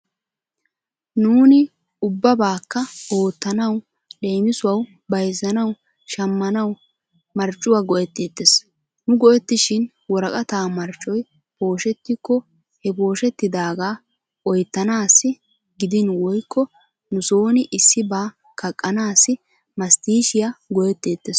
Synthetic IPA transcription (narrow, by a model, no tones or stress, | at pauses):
nuːnɪ | ʊbːɐbaːkːɐo̞ːt̪ːɐnɐw | ɗe̞ːmɪsʊwɐw | bɐjzːɐnɐw | ʃɐmːɐnɐw | mɐɾt͡ʃʼːʊwaːɡɔʔɛt̪ːeːt̪ːɪs | nʊɡɔʔɛt̪ːɪʃɪn | wɔɾɐkʼɐt̪aːmɐɾt͡ʃʼːɔj | b̥o̞ːʃɛt̪ːɪkːɔ | hɛbo̞ːʃɛt̪ːɪd̪aːɡaː | ʔɔjt̪ːɐnaːsːɪ | ɡɪd̪ɪnwɔjkːɔ | nʊsoːnɪʔɪsːɪbaː | kʰɐkʼːɐnaːsːɪ | mɐst̪iːʃɪjɐɡɔjɛt̪ːe̞ːt̪ːes